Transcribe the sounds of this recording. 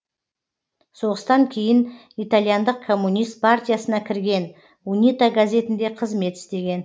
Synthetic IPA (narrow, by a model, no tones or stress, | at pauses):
so̞ʁəst̪ɑŋkʲʰe̞jɪn | ijt̪alˠjand̪əq̚kʰo̞mːunijst̪̚pʰart̪ʲijasənɑkʲʰɪɾɡʲe̞n | unʲit̪aɡazʲe̞t̪ɪnd̪e̞qʰəzme̞t̪ɪ̥st̪e̞ɡʲe̞n